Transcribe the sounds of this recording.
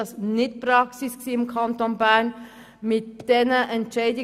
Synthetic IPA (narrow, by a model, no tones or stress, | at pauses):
ɑsnɪtpɾɑksɪsksiːɪmkʰɑnt̪onbæɾn | mɪtd̥ɛnəʔɛnt͡ʃɛɪdɪ